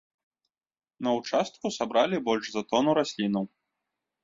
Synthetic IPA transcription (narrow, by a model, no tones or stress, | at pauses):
nɐut͡ʂast̪̚kusabɾalʲibɔlʲʐzat̪ɔnuɾasʲlʲinɐw